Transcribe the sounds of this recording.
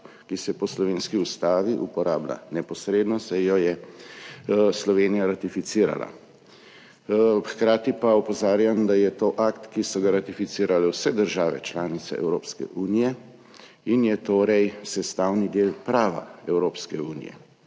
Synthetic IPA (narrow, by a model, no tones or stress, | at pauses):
kisɛpɔslɔʋeːnskiust̪aːʋiʔupɔɾaːbla̰nɛpɔsɾeːd̪nɔsɛjɔjɛ | slɔʋeːnijaɾat̪ifit̪siːɾa̰la̰ | xkɾaːt̪ipaɔpɔzaːɾjamd̪ajɛt̪oːʔakt̪kisɔɡaɾat̪ifit̪siːɾalɛwsɛd̪əɾʒaːʋɛ̰t͡ʃlaːnit̪sɛ̰ɛ̰wɾoːpskɛ̰ʔuːnijɛ | injɛt̪oːɾɛjsɛst̪awnid̪eːlpɾaːʋa̰ɛwɾoːpskɛuːnḭjɛ̰